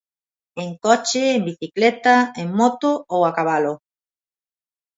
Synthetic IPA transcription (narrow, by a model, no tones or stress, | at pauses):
eŋkɔt͡ʃeːmbiθiklet̪aeŋmot̪oowakaβ̞alo